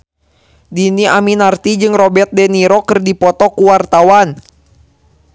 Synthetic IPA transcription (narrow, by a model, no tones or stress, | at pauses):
diniaminart̪id͡ʒɨŋrɔbɛrt̪̚dɛniɾɔkərdipɔt̪ɔkuwart̪awan